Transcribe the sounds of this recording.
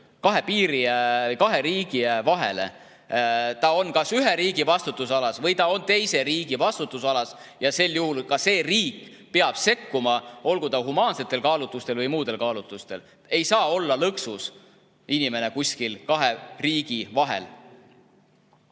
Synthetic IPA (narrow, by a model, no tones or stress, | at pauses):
kɑɦe̞piːɾiejkɑɦe̞ɾiːɡ̥ivɑɦe̞̰lḛ | t̪ɑo̞nkɑsyɦe̞ɾiːɡ̥ivɑst̪ut̪ːˑusɑlɑsvɤjt̪ɑo̞nt̪e̞jse̞ɾiːɡ̥ivɑst̪ut̪ːˑusɑlɑs | jɑse̞ljuhulkɑse̞ːriːk | peɑb̥se̞kːumɑʔo̞lɡud̪ɑɦumɑːnse̞t̪ːˑe̞lkɑːlut̪ːˑust̪e̞lvɤjmuːd̪̥e̞lkɑːlut̪ːˑust̪e̞l | e̞jsɑːo̞lːɑlɤksus | inʲime̞ne̞kusʲkilkɑɦeriːɡ̥ivɑɦe̞̰l